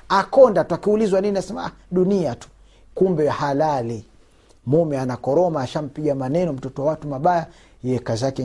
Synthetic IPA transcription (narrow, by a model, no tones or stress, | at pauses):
akɔndatuakiulizwaniniasɛmaa | ɗuniatu̥ | kumbɛhalali | mumɛanakɔɾɔmaːʃam̩piɡamanɛnɔm̩tɔtɔwawatumaɓaja | jɛkazakɛ